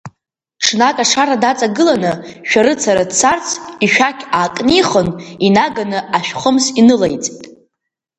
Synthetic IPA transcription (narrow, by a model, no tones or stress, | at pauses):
ʈ͡ʂʰnakʼaʂaɾadat͡sʼaɡɨlanɨʃᶣaɾɨt͡sʰaɾadt͡sʰart͡sʰiʃᶣakʲʰaːkʼniχəninaɡanɨaʃᶣχəmsinɨlejt͡sʼtʼ